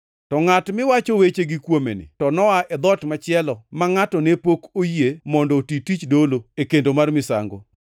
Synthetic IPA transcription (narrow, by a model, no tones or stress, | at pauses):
tɔŋatmɪwat͡ʃɔwet͡ʃeɡɪkwomḛnɪ̰tɔnɔaʔɛd̪ɔtmat͡ʃɪɛlɔmaŋatɔnepokojemɔndɔtitit͡ʃdoloekendomarmɪsa̰ŋɡo̰